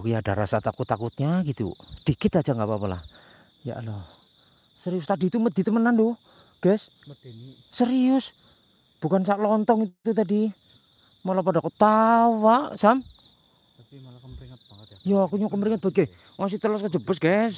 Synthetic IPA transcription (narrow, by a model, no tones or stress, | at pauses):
kujada̰ɾa̰sat̪akʊt̪ːakut̪̚ɲaɡit̪ṵd̥ikɪt̪ad͡ʒaŋɡapapala̰ | ja̰ʔlɔ | səɾiʊst̪adit̪uməd̪it̪əmənando | ɡ̥ɛsː | əɾiʊs | b̥ukansaʔlɔnt̪ɔŋit̪ut̪adi | molapadakət̪awaʔsam | jaːkuɲakəməɾiŋət̪̚b̥aɡe | ŋas̬it̪əlɔskəd͡ʒəbəsɡ̥as